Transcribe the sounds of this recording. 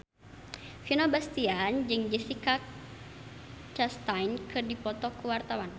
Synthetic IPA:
finɔbast̪iand͡ʒɨŋd͡ʒisikak | t͡ʃast̪ajnkɨrdipɔt̪ɔkuwart̪awan

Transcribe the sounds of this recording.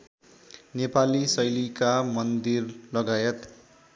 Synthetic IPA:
nepalisʌjlikamʌnd̪irlʌɡajʌt̪

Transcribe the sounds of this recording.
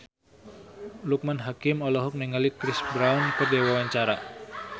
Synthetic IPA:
luk̚manɦakɪmɔlɔɦɔk̚nɛŋalikɾisbɾawunkɨrdɛwawaɲt͡ʃaɾa

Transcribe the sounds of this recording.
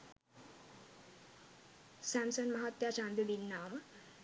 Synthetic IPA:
sæmsənmɐɦat̪jaːt͡ʃand̪ud̪inːaːmə

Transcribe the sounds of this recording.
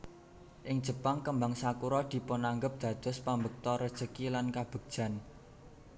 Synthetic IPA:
ʔɪŋ̥ʒ̥ə̤paŋkəmbaŋsakuɾɔd̪̥i̤pɔnaŋɡəp̚d̪̥ä̤d̪̥ɔ̤spambək̚t̪ɔɾəd̥ʒ̥əkilankab̥ə̤ɡ̥̚d̥ʒ̥a̤n

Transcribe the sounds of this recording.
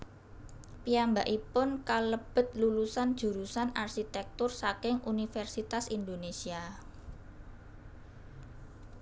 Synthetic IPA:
piambaʔipʊnkaləb̥ə̤t̪̚lulusand̥ʒ̥ṳɾusanarʃit̪ɛk̚t̪ʊrsakɪŋʔunifɛrsit̪asind̪onesia

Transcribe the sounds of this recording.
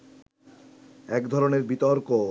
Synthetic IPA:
ɛkd̪ʱɔɾoneɾbit̪ɔɾko

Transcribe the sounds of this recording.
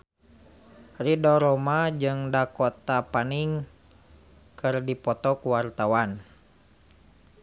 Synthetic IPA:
ridɔɾɔmad͡ʒɨŋdakɔt̪apaniŋ | kɨrdipɔt̪ɔkuwart̪awan

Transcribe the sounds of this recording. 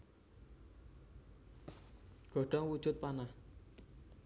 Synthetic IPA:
ɡ̥ə̤ɖɔŋwud͡ʒut̪̚pana

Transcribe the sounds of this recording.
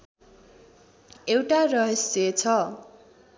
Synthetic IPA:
ewʈarʌɦʌsjet͡sʰʌ

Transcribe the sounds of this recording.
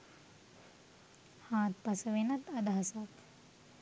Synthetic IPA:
haːt̪pɐsɐʋenɐt̪ɐd̪aɦɐsak

